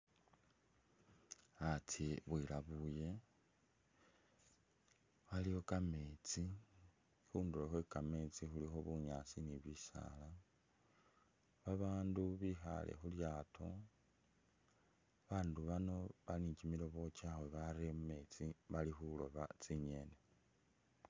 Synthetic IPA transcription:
at͡siβwilaβuje̞ | waliho̞kame̞t͡si | xuːndulexwekame̞t͡sixulixo̞βuɲaːsiniβisa̰la | βaβaːnduβixa̰lʔḛxuljaːtʰo̞ | βaːnduβano̞βaniɲt͡ʃimilo̞βo̞t͡ʃaweβaɾemume̞t͡siβalixulo̞βat͡siɲe̞ne

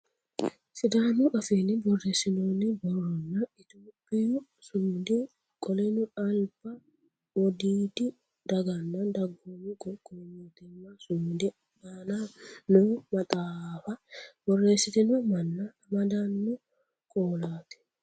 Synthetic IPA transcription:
sɪd̪aːnuʔɐfeːnːɪbɔrːeːsɪnoːnːɪbɔrːɔnːɐɪt̪oːpʼːɪjʊ | sʊmd̪ɪ | kʼɔlɛnʊɐlb̥ɐ | wɔd̪iːt̪ɪ | d̪̥ɐɡɐnːɐnd̪ɐɡːoːmɪkʼɔkʼɔmot̪ɪmːasʊmd̪ɛ | aːnanomɐt̪ʼaːfɐbɔrːe̞ːsːɪt̪ɪnɔmɐnːɐɐmɐd̪anːʊ | kʼoːlaːt̪ɛ̥

